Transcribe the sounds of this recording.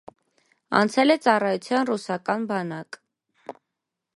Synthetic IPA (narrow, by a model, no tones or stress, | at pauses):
ɑ̰nt͡sʰɛlɛt͡sɑrɑjut͡sʰjɑnrusɑkɑnbɑnɑk